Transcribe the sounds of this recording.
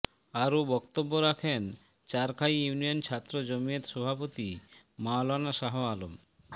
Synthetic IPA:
aɾobɔkt̪obːoɾakʰen | t͡ɕaɾkʰajunijont͡ɕʰat̪ːɾod͡ʑomiet̪ʃɔbʱapot̪i | maolanaʃaɦoalom

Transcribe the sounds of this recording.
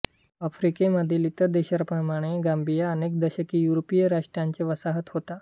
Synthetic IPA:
əfɾikeməd̪ʱiːlit̪əɾd̪eɕəɾpəmaɽ̃eɡambijaənek̚d̪əɕəkiːjuɾopijəɾaʂʈɾaɲt͡ɕeʋəsaɦət̪ɦot̪a

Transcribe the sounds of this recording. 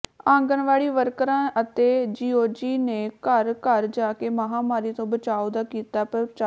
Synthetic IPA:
ãːŋɡənʋaːɭiːʋəɾkɾãːʔət̪eːd͡ʒiːoːd͡ʒiːneːkəɾkəɾd͡ʒaːkeːmaɦãːmaːɾiːt̪õːbət͡ʃaːoːd̪aːkiːt̪aːpəɾt͡ʃaː

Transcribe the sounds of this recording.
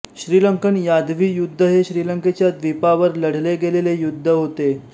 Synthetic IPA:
ɕɾiːləŋkənjad̪ʋiːjud̪ʱːəɦeɕɾiːləŋket͡ɕjad̪ʋipaʋəɾləɽ̤leɡelelejud̪ʱːəɦot̪e

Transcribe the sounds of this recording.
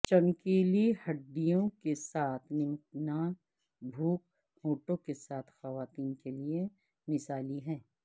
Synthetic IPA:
t͡ʃɐmkeːlihɐɖːijõkesaːt̪ʰnɪmʈna | bʱuːk̚ | hoːʈõkesaːt̪ʰxɐʋaːt̪iːnkelie | mɪsaːliɦɛ̃ː

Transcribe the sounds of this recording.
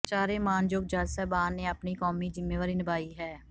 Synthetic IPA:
t͡ʃaːɾeːmaːnd͡ʒoːɡ̚d͡ʒaːsɛːbaːnːeːəpniːkɔːmiːd͡ʒɪmːeːʋaɾiːnɪbaːiːɦɛː

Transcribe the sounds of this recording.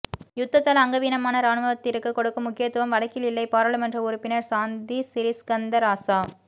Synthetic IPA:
jʊt̪ːɐt̪ːɐlɐŋɡɐʋiːnɐmaːnɐɾaːnɯmɐʋɐt̪ːɪɾɯkːɯkːɔɽɯkːɯmʊkːɪjɐt̪ːɯʋɐmʋɐɽɐkːɪlɪlːɐɪpaːɾɐɭɯmɛndrɐʊɾʊpːɪnɐɾsaːnd̪isɪɾɪskɐnd̪ɐɾaːsaː

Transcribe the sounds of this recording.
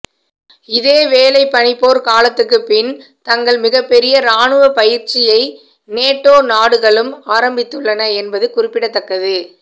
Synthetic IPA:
ɪðeːʋeːlɐɪpːɐɳɪpːoːɾkaːlɐt̪ːɯkːɯpːɪn | t̪ɐŋɡɐɭmɪɣɐpːɛɾɪjɐɾaːɳɯʋɐpɐjɪɾt͡ʃɪjɐɪ | neːʈːoːnaːɽɯɣɐɭɯmaːɾɐmbɪt̪ːɯɭːɐnɐɛnbɐðɯkʊrɪpːɪɽɐt̪ːɐkːɐðɯ

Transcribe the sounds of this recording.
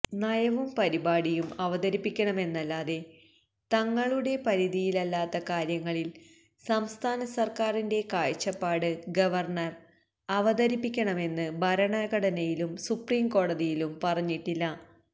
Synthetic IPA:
nɐjɐʋumpɐɾibaːɽijumɐʋɐðɐɾipːikʲːɐɳɐme̞nːɐlːaːðe̞ | t̪ɐŋːɐɭuɽe̞pɐɾiðijilɐlːaːt̪ːɐkaːɾjɐŋːɐɭil | sɐmst̪ʰaːnɐsɐrkaːrinde̞kaːɻt͡ɕːɐpːaːɽɨɡɐʋɐrɳɐr | ɐʋɐd̪ɐɾipːikʲːɐɳɐme̞nːɨbʱɐɾɐɳɐɣɐɽɐnɐjilumsupriːmko̞ːɽɐðijilumpɐrɐɲːiʈːilːɐ

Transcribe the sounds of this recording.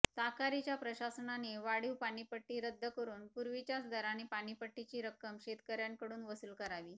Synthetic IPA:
sakaɾit͡ɕjapɾəɕasəɳaneʋaɽiwpaɽ̃ipəʈːiːɾəd̪ʱːəkəɾuːnpuɾʋit͡ɕjat͡sd̪ʱəɾanipaɽ̃ipəʈːit͡ɕiːɾəkəmɕet̪kəɾjaŋkəɽuːnʋəsuːlkəɾaʋiː

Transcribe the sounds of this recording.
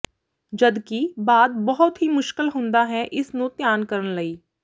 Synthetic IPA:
d͡ʒəd̪kiːbaːd̪bɔɦʊt̪ɦiːmʊʃkəlɦʊ̃nd̪aːɦɛːʔɪsnũːt̪jaːnkəɾənləiː

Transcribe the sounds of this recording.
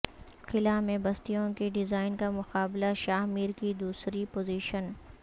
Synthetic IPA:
xʰɪlamẽbɐst̪ijõkeɖɪzaːɪnkamʊxaːblaʃaːɦmiːɾkid̪uːsɾipoːziːʃən

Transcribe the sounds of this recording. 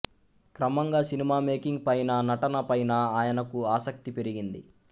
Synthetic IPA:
kɾɐmɐŋɡaːsinimaːme̞ːkiŋɡpɐjnɐnɐʈɐnɐpɐjnɐaːjɐnɐkuaːsɐk̚t̪ipeɾiɡind̪ḭ

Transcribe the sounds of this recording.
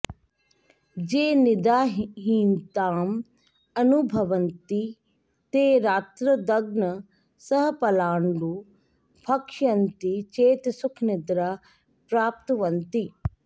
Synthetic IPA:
d͡ʒeːnɪd̪aːɦiːnt̪aːm | ɐnubʱɐʋənt̪i | t̪eːɾaːt̪ɾəd̪ɐɡnə | sɐɦpɐlaːɳɖuː | pʰɐkʃɐnt̪it͡ʃeːt̪sʊkʰnɪd̪ɾaː | pɾaːp̚t̪ʋɐnt̪i

